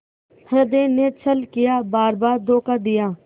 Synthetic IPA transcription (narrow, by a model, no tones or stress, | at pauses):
həd̪eːneːt͡ʃʰəlkɪjaːbaːɾbaːɾd̪oːkaːd̪ɪjaː